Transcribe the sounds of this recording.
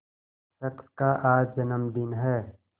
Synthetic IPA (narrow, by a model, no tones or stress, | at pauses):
ʃɐkskaʔaːd͡ʒd͡ʒɐnəmd̪ɪnɦɛː